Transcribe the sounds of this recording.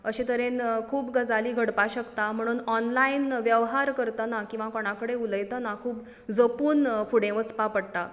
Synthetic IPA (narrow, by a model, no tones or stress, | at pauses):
əɕẽt̪əɾẽnkʰuːpɡəd͡zaliːɡʱəɽpaɕəkt̪am̤əɽ̃uːnɔnlainʋjəʋɦaɾkəɾt̪ənakĩw̃ʋakoɽ̃akəɽeuləjt̪ənakʰuːp | d͡zəpuːnfuɽẽʋət͡spapəɽt̪a